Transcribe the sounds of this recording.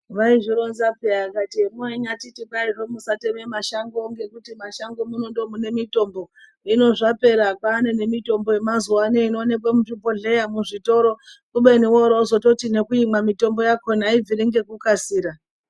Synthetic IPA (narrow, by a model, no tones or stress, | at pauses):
ʋaiʐiɾo̞nzapeakatiemoeɲatitipairomusatememaʃaŋɡoŋɡe̞kutimaʃaŋɡomuno̞ndo̞mune̞mito̞mbo̞ | ino̞ʐape̞ɾakaːnene̞mito̞mbo̞je̞mazuwaneinoːne̞k̬wemuʐibʱo̞ɮe̞jamuʐito̞ɾo̞kuɓeniwoɾoozo̞to̞tine̞kuimamito̞mbo̞jakonaib͡viɾiŋɡe̞kukasiːɾa